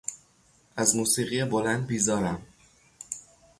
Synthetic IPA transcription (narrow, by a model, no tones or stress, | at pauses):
ʔæzmuːsiːɣijebo̞lænd̪̚biːzɒːɾæm